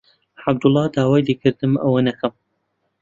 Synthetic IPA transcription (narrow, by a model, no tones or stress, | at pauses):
ħab̚d̪ʊlˠˤːɑːd̪aːwaːjlekʰɨɾd̪ɨmʔɐ̰wɐnɐkʰɐm